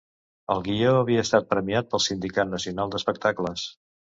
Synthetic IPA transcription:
əlˠɣioəβiəːst̪at̪̚pɾəmiat̪̚pəlˠsind̪ikat̪̚nəsiunalˠd̪əspək̚t̪akləs

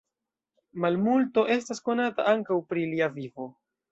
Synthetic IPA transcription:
malmulto̞ʔe̞stasko̞nata̰ʔaŋkawpɾiliavivo̞

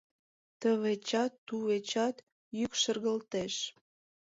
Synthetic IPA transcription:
t̪əβet͡ɕɑt̪ːuβet͡ɕɑt̪ | jykʃərɣəlt̪eʃ

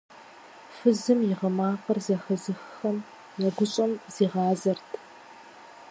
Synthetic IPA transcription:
fɨzɨmjɪʁɐmaːqɐrzɐxɐzɨxxɐm | nɐɡʷʊɕʼɐmz̥iːʁɑːzɐrtʰ

